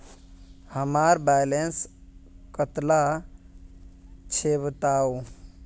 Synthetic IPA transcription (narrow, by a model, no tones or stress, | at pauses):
həmaɾbajlenskət̪la | t͡ʃʰebt̪au